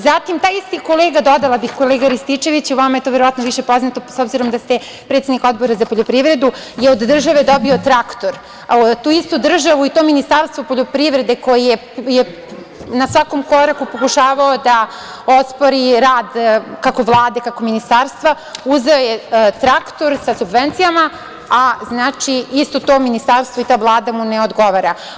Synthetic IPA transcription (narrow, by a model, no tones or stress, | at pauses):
zat̪imt̪aːjist̪iko̞leːɡad̪o̞d̪alabixko̞leːɡaɾist̪it͡ʂe̞ʋit͡ɕuʋamaet̪oʋeɾoʋat̪noʋiʃe̞po̞znat̪osobziɾo̞md̪ast̪e | pɾet̪sed̪niko̞d̪bo̞ɾazapoʎopɾiʋɾe̞d̪ujeod̪ːr̩ʒaʋe̞d̪o̞bio̞t̪ɾakt̪o̞ɾ | ot̪uist̪ud̪r̩ʒaʋuit̪ominist̪aɾst̪ʋopo̞ʎopɾiʋɾed̪eko̞jije | je | nasʋako̞mko̞ɾakupo̞kuʃaːʋaod̪a | o̞spoɾiɾaːd̪kako̞ʋlˠaːd̪ekako̞minist̪aːɾst̪ʋa | uzeojet̪ɾakt̪o̞ɾsasubʋent̪sijama | aznaːt͡ʃiist̪ot̪o̞ːminist̪aːɾst̪voit̪aːvlˠaːd̪amuneo̞d̪ɡo̞ʋaɾa